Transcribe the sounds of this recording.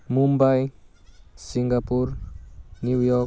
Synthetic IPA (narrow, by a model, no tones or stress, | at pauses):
mumbaj | siŋɡapuɾnjuwjɔ